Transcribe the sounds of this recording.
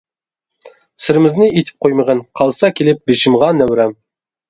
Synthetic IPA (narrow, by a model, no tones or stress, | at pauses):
sɪ̆ɾɪmɪznɪit̪ʰɪ̥p̚qʰojməʁənqʰɑlˠsɑkʲʰelɪp̚beʃɪmʁɑnːæwɾæm